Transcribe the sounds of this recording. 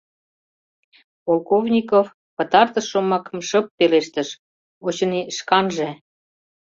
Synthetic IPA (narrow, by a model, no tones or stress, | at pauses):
polˠkovnʲikof | pə̆t̪ɑrt̪ə̆ʃːomɑkmʃə̆pːeleʃt̪əʃ | ot͡ɕə̆niʃkɑnʒe